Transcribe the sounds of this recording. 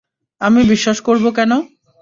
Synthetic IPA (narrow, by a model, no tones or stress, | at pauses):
amibiʃːaʃkoɾbokɛno